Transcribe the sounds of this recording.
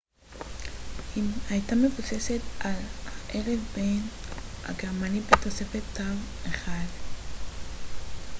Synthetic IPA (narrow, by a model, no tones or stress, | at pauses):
imhajtame̞vuse̞se̞t̪ʔalhaʔeʁevbena̰ɡeʁmanibet̪o̞se̞fet̪ʰːaveχad